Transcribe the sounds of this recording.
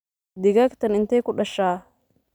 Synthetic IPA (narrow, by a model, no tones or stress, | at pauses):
d̪ɪɡɐkt̪ɐnɪnt̪eːkʊᶑɐʃːaː